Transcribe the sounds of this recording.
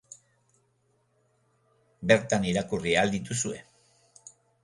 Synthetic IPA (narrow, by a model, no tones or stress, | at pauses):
be̞ɾt̪aniɾakuriald̪it̪usue̞